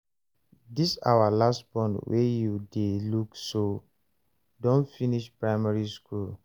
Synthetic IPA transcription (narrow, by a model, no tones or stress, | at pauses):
disa̰walastbɔ̃nwʔḛjudelukso | dõnfiniʃpɹaɪmaɹiskʰul